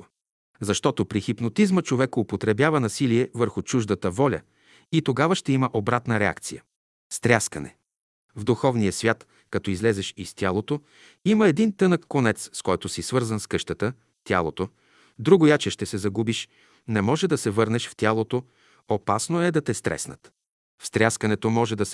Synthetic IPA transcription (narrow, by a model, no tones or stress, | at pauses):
zɐʃt̪ɔt̪opɾixipnot̪izmət͡ʃovɛkʊpot̪ɾɛbjavənɐsiliɛvəɾxʊt͡ʃuʒd̪ət̪əvɔlʲə̰ | it̪oɡavəʃt̪ɛiməʔobɾat̪nəɾɛa̰kt̪sijə | st̪ɾʲjaskɐnɛ̰ | vd̪uxɔvnijəsvʲjat̪ | kɐt̪ɔizlɛzɛʃist̪ʲjalˠot̪o | iməɛd̪int̪ɤnəkːonɛt̪sskɔjt̪oʊsisvɤɾzənskɤʃt̪ət̪ə | t̪ʲa̰lˠot̪o | d̪ɾuɡʊjat͡ʃɛʃt̪ɛsɛzɐɡubiʃ | nɛmɔʒɛd̪ɐsɛvɤɾnɛʃft̪ʲalˠot̪o | opasnoɛd̪ɐt̪ɛst̪ɾɛ̰snə̰t̪ | fst̪ɾʲaskɐnɛt̪omɔʒɛd̪ɐs